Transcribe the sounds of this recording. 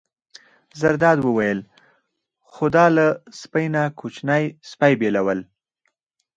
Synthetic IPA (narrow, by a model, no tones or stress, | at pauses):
zaɾd̪ɑd̪wəwajəl | xxʊd̪ɑlaspəjnakʰut͡ʃnajspajbelawəl